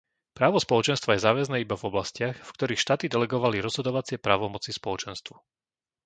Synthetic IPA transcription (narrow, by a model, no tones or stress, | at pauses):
pɾaːʋɔspɔlɔt͡ʃɛnst̪ʋajɛzaːʋɛznɛːibavɔblascɪaxfkt̪ɔɾiːxʃt̪aːt̪id̪ɛlɛɡɔʋaliɾɔz̥ɦɔd̪ɔʋat͡sɪɛpɾaːʋɔmɔt͡sispɔlɔt͡ʃɛnst̪ʋu